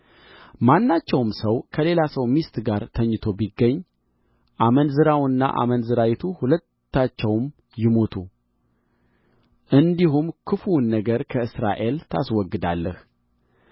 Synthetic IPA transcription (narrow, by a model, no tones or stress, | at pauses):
manːat͡ʃːɛwmsəwkʰəle̞lasəwmist̪ɡaɾt̪ʰəɲːɨt̪ʰo̞biɡːəɲː | ʔamənzɨɾawɨnːa̰ʔa̰mənzɨɾawɪt̪ʰuhulət̪ːat͡ʃːɛwm | jɪmo̞t̪ʰu | ʔɨnd̪iɦumkʰɨfunːəɡəɾkʰəɨsɾa̰ʔe̞lt̪ʰa̰swɔɡːɨd̪alːəh